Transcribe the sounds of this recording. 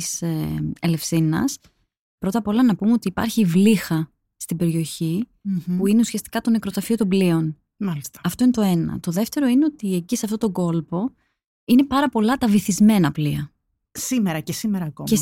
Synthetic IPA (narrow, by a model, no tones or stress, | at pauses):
seele̞fsinɐ̰s | pɾo̞t̪ɐpo̞lɐnɐpumeo̞t̪iːpɐ̰ɾçivlixɐ | st̪ibe̞ɾio̞çipuine̞usiɐst̪i̥kɐt̪o̞nekɾot̪ɾɐfio̞t̪o̞mblio̞n | mɐlist̪ɐ̥ɐft̪o̞inet̪o̞e̞nɐ̰t̪o̞ðe̞ft̪e̞ɾo̞ine̞o̞t̪ie̞ciseɐft̪o̞t̪o̞ɡo̞lpo̞ | ine̞pɐɾɐpo̞lɐt̪ɐviθizme̞nɐpliɐ | simeɾɐcesimeɾɐːko̰me